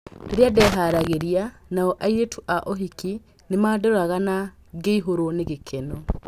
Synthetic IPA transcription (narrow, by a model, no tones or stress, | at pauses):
eɾjadɛɦaɾaɣeɾianaɔʔaiɾetʰuʔaʔoɦiki | nemaːdoɾaɣana | ɡeiɦoɾoneɣekʰɛnɔ